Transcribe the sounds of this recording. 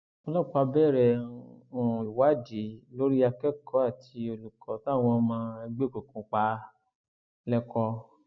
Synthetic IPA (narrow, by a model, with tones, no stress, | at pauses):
ɔ̃˧lɔ˦˨k͡pa˧bɛ˦˨ɾɛ˧˨ɔ̃˧˨i˨wa˨˦˨di˨˦lo˦ɾi˦a˧kɛ˦˨kʰɔ˨˦a˦˨tʰi˧o˧lu˨kɔ˨˦ta˦˨w̃ɔ̃˧mãː˧ɛ˧ɡ͡be˦˨ke˨kũ˧k͡pa˧˦ | lɛ˦kɔ˧